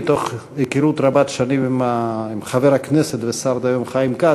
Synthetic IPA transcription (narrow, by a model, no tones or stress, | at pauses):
t̪oχjikiɾut̪ɾabat̪ʃanimimaimχaveɾakneset̪vesaɾt̪ajomχaimka